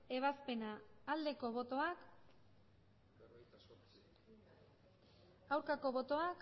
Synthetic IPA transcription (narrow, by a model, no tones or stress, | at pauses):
e̞β̞aspe̞naːld̪e̞ko̞βo̞t̪o̞ak | awɾkako̞βo̞t̪o̞ak